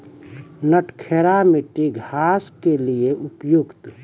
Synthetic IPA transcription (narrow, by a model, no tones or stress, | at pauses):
nəʈkʰeːɾamɪʈiɡʱaːskelieʔʊpjʊɡt̪